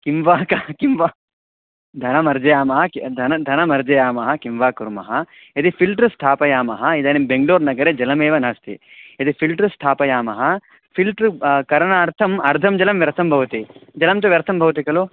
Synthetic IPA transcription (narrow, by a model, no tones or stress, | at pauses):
kimʋaːkɐkimʋa | d̪ʱɐnɐmɐɾd͡ʒɐjaːmɐɦɐkd̪ʱɐnɐd̪ʱɐnɐmɐɾd͡ʒɐjaːmɐɦɐkimʋaːkuɾmɐ̰ɦɐ | ɐd̪ipʰilʈɾɨsʈ̪ʰaːpɐjaːmɐɦɐid̪ɐnebeŋɡloːɾnɐɡɐɾeːd͡ʒɐlɐmeːʋɐnɐst̪ḭɐd̪ipʰilʈɾɨsʈ̪ʰaːpɐjaːmɐɦɐ | pʰilʈɾkɐɾɐɳaːɾt̪ʰɐmɐɾt̪ʰɐmd͡ʒɐlɐmʋjɐɾt̪ʰɐmbʱɐʋɐt̪id͡ʒɐlɐmt͡ʃɐʋjɐɾt̪ʰɐmbʱɐʋɐt̪̬ikɐlu